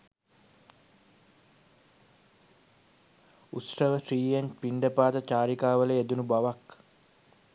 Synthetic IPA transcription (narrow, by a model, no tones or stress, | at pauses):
ut̪rəʋəsriːjeɲpiɳɖəpaːt̪ət͡ʃaːɾikaːʋəleed̪unubaʋak